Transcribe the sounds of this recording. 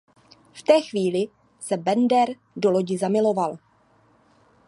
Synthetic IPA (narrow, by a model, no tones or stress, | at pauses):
ft̪ɛːxviːlɪ | sɛbɛndɛɾ | do̞lo̞ɟɪzamɪlo̞val